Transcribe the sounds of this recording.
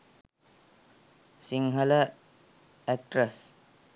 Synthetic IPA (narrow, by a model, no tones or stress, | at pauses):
siŋɦələ | ɛk̚ʈɾəs